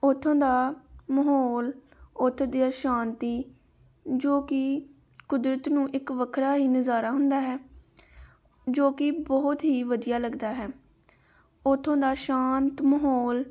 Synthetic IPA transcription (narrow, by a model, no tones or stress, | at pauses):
ʊt̪ʰːõːd̪aːməɦoːl | ʊt̪ʰːd̪ɪjaːʃãːnt̪iː | d͡ʒoːkɪ | kʊd̪ɾət̪nũːʔɪkʋəkʰɾaːɦiːnəzaːɾaːɦʊnd̪aːɦɛː | d͡ʒoːkɪbɔːʊt̪ɦiːʋəd̪ijaːləɡd̪aːɦɛː | ʊt̪ʰːõːd̪aːʃaːnt̪məɦoːl